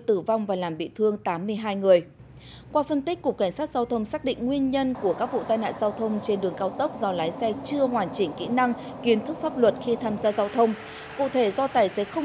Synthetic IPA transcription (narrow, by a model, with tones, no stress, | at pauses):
t̪ɨ˧˩va˧wŋ͡mvaː˨˩laː˨˩mɓḭ˧˨t̪ʰɨ˧əŋt̪aː˨˦mːɨ˧əjɦaː˧jŋɨ˨˩əj | kwaː˧fə˧nt̪i˦˥k̟̚kːʊ˨˩k͡p̚kːa˧˩ŋ̟saː˦˥t̚zaː˧wt̪ʰə˧wŋ͡msaː˦˥k̚ɗḭ̈˧˨ŋ̟ŋwi˧ənɲə˧nku˧˩əkaː˦˥k̚vṵ˧˨t̪aː˧jna̰ː˧˨nzaː˧wt̪ʰə˧wŋ͡mt͡ɕe˧nɗɨ˨˩əŋkaː˧wt̪ə˦˥wk͡p̚zɔ˧laː˨˦jsɛ˧t͡ɕɨ˧əɦwaː˨˩nt͡ɕï˧˩ŋ̟kḭ˧˥na˧ŋ | ki˨˦ənt̪ʰɨ˦˥k̚faː˦˥p̚lwə˨˩t̚xi˧t̪ʰaː˧mzaː˧zaː˧wt̪ʰə˧wŋ͡m | kṵ˧˨t̪ʰe˧˩zɔ˧t̪aː˨˩jse˨˦˥xə˧wŋ͡m